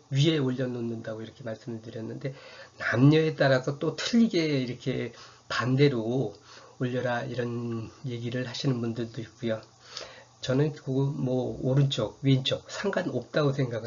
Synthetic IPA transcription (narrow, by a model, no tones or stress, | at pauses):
ɥie̞oʎːʌnonːɯndaɡoiɾʌkʰe̞maɭs͈ɯmɯɭtɯɾjʌnːɯnde̞namɲʌe̞t͈aɾasʰʌt͈otʰɯʎːiɡe̞iɾʌkʰe̞pande̞ɾo | oʎːʌɾaiɾʌnje̞ɡiɾɯɭhaɕʰinɯnbundɯɭdoit̚k͈ujo | t͡ɕʌnɯnkɯɡomʌoɾɯnt͡ɕ͈ʌk̚ɥiint͡ɕ͈ʰʌk̚sʰaŋɡanop̚t͈aɡosʰe̞ŋɡaɡɯ